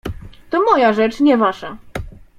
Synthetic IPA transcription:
t̪ɔmɔjaʐɛt͡ʂɲɛvaʂa

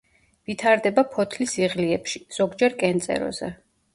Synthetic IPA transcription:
vit̪ʰaɾd̪ɛbapʰɔt̪ʰlisiʁliɛpʃiz̥ɔɡd͡ʒɛɾkʼɛnt̪sʼɛ̰ɾɔ̰zɛ̰

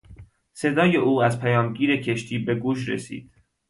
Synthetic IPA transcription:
se̞d̪ɒːje̞uːæzpʰæjɒːmɟiːɾe̞cʰe̞ʃt̪ʰiːbe̞ɡuːʃ̬ɾḛsḭːd̪̥̚

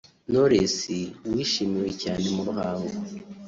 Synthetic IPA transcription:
noɾesiwiːʃimiwe̞caːne̞muɾuhaːŋɡo

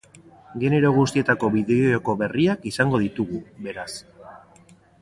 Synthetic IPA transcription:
ɡe̞ne̞ɾo̞ɣ̞ust̪ie̞t̪ako̞βiðeooko̞βe̞riakisaŋɡo̞ðit̪uɣuβe̞ɾas

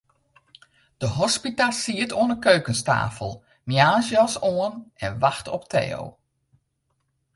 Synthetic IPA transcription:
d̥əɦɔspitasiətʰoənəkøɥkənsta̰ːfəlˠ | mjaːzjɔsoənɛnʋaxtʰɔptʰḛːo̰w

